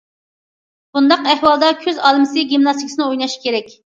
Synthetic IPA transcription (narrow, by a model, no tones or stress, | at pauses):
b̥und̪ɑqɛhwɑlˠd̪ɑkʲʰøzɑːlˠɨmsɪɡʲimnɑst̪ʰikʲʰsɨnɨojnɑʃkʲʰeɾɛkʲ